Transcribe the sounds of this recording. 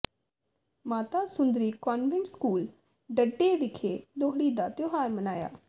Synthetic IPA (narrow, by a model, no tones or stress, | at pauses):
maːt̪aːsʊnd̪ɾiːkaːnʋɪ̃ɳʈskuːl | ɖəɖːeːʋɪkʰeːloːɦɽiːd̪aːt̪joːɦaːɾmənaːja̰ː